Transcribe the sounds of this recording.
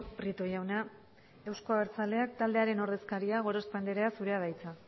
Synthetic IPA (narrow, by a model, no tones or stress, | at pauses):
pɾit̪o̞jawna | e̞wsko̞aeɾt͡sale̞akt̪ald̪e̞aɾe̞no̞ɾðe̞skaɾiaɣ̞o̞ɾospand̪eɾeasuɾe̞aðajt͡sa